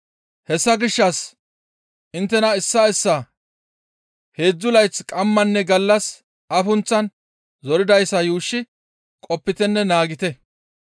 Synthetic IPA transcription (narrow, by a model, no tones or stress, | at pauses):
hɛsːɐɡɪʃːɐs | ɪnt̪ːɛnɐɪsːɐɪsːɐ | he̞ːd͡zːʊlɐjt͡skʼɐmːɐnːɛɡɐlːɐs | ɐfʊnt͡sːɐn | zɔɾɪd̪ɐjsːɐjuːʃːɪ | kʼɔpːɪt̪ɛnːɛnaːɡɪt̪ɛ